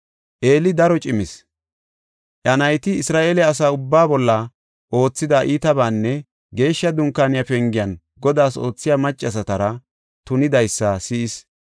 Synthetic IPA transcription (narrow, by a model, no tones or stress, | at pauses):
ʔe̞ːlɪd̪ɐɾɔt͡ʃʼɪmɪs | ʔɐnɐjt̪ɪːsɾaːʔe̞ːlɛɐs̬aːʊbːaːbɔlːɐ | ʔo̞ːt͡sːɪd̪aʔiːt̪ɐbaːnːɛ | ɡe̞ːʃːɐd̪ʊŋkːaːnɪjafɛŋɡɪjɐn | ɡɔd̪aːso̞̰ːt͡sːɪjaːmɐt͡ʃʼːɐs̬ɐt̪ɐɾɐ | t̪ʊnɪd̪ɐjsːɐsɪɪs